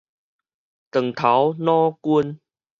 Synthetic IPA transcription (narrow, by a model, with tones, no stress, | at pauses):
t̪ə˨˩ŋt̪ʰa˨˦wnɔ̃˦ku˦n